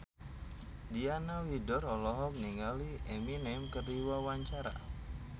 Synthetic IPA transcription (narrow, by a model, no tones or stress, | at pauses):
dianawidɔɾɔlɔɦɔk̚niŋalieminamkərliwawaɲt͡ʃaɾa̰